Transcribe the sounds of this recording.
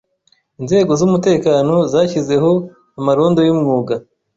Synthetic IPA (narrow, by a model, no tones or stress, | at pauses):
inze̞ːɡo̞zumute̞ːkaːno̞zaːçize̞ɦo̞ | amaɾo̞ːndo̞jimŋuːɡa